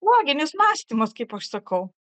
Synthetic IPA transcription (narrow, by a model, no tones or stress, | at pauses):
uɔɡʲɪnʲɪsmɑːsʲt̪ʲimɐskɐɪpɐʃsɐkɐʊ